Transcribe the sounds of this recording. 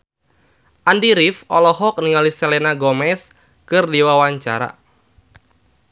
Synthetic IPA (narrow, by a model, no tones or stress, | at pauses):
ʔandiɾifɔlɔɦɔk̚niŋalisɛlɛnaɡɔmɛs | kɨrdiwawaɲt͡ʃa̰ɾa̰